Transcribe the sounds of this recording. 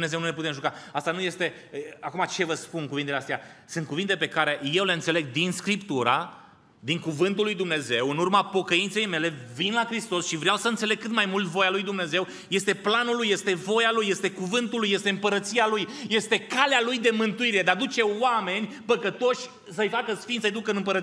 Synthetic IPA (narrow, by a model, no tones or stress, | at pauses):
mne̞ze̞wnule̞put̪emʒukaast̪anuje̞st̪e̞ | akumat͡ʃe̞vəspunkuvint̪eleast̪ejasɨnt̪kuvint̪e̞pe̞kaɾe̞je̞wle̞ɨnse̞le̞ɡ̚d̪inskɾipt̪uɾa̰ | d̪iŋkuvɨnt̪ulːujd̪umne̞ze̞wɨnurmapo̞kəint̪se̞jme̞le̞vinlakɾist̪o̞sʃivɾeawsəɨnt̪se̞le̞ɡ̚kɨt̪majmult̪vo̞jalujd̪umne̞ze̞w | je̞st̪e̞planulːujːe̞st̪e̞vo̞jalujːe̞st̪e̞kuvɨnt̪ulujest̪e̞ɨmpəɾət̪sialujje̞st̪e̞kalealujd̪e̞mɨnt̪uiɾe̞d̪ad̪ut͡ʃe̞ame̞nʲ | pəkət̪o̞ʃʲ | səjfakəsfint̪səjd̪ukəɨnɨmpəɾət̪